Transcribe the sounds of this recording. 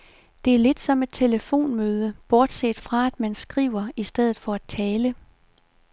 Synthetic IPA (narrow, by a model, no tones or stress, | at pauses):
d̥e̝æɐle̝d̥sɒ̽me̝d̥̚t͡sʰe̝ləfo̝̰ːnmøːð̞ˠəb̥ɒːd̥sḛd̥fʁɑ̈æd̥mænsɡ̥ʁḭːʊ̰ɐisd̥eð̞̰ˠð̩ˠfɒ̽æd̥̚t͡sʰɛːlə